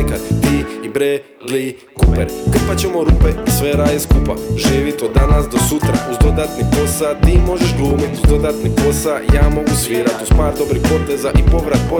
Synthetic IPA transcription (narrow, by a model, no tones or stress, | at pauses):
kat̪t̪iːibɾeː | ɡliː | kupeɾk̩pat͡ɕemo̞ɾupeisʋeɾajiskupa̰ʒiːʋit̪od̪ːanasd̪o̞sut̪ɾa̰ʔuzd̪o̞d̪at̪nipo̞sat̪iːmo̞ʒeʃɡlˠuːmit̪uzd̪o̞d̪at̪nipo̞sajaːmo̞ɡusʋiːɾat̪uzpaːɾd̪o̞bɾixpo̞t̪ezaʔipo̞ʋɾat̪̚po